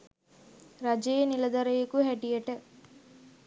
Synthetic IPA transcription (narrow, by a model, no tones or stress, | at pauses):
ɾɐd͡ʒɐjɐnilɐd̪ɐɾɐjɐkuɦɛʈijɐʈɐ